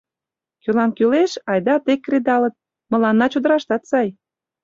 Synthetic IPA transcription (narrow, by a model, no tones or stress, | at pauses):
kylɑnkyleʃɑjd̪ɑt̪ekːred̪ɑlə̆t̪̚ | mə̆lɑnːɑt͡ɕod̪ə̆ɾɑʃt̪ɑt̪sɑj